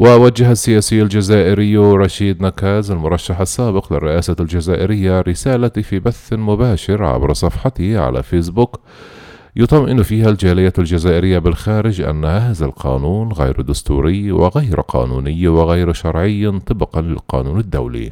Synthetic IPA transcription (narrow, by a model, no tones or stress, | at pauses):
wɪʔawad͡ʒːahasːɪjaːsɪjːald͡ʒazaːʔɪɾɪjːɾˤɑʃiːd̪nakaːzalmʊɾˤɑʃːaħɑsˤːaːbɪqlɪ̰rːɪʔaːsald͡ʒazaːʔɪɾɪjːaɾɪsaːlat̪fibaθːmʊbaːʃɪɾʕa̰bɾˤɑsˤɑfħɑt̪ɪhʕa̰la̰feːs̬bʊk | jʊt̪ˤɑmʔɪnfiːhald͡ʒaːlɪjald͡ʒazaːʔɪɾɪjːabɪlxaːɾɪd͡ʒʔa̰nːahahaːðalqɑ̰ːnuːnɣa̰jɾd̪ʊst̪ṵːɾɪjːwɪ̰ɣajɾqʰɑ̰ːnṵːnɪjːwɪɣajɾʃɑɾˤʕɪjːnt̪ˤɨbɪqɑnlɪ̰lqɑ̰ːnuːnɪd̪ːa̰wlḭ